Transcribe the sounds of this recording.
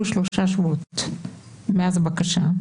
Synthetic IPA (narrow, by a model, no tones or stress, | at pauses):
uʃloʃaʃvuot̪ | meazebakaʃa